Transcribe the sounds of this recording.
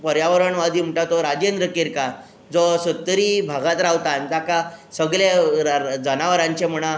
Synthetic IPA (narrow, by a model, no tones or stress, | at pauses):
pəɾjaʋəɾəɳʋad̪ʱiːm̤əʈat̪ɔɾad͡ʑend̪ɾəkeɾka | d͡zɔsət̪ːəɾibʱaɡãt̪ɾawt̪ant̪akasəɡɭe | d͡zənaʋəɾãɲt͡ɕem̤əɽ̃a